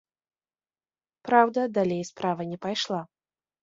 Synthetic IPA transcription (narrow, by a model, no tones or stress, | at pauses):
pɾawd̪ɐd̪alʲejspɾavɐnʲɛpajʂlˠa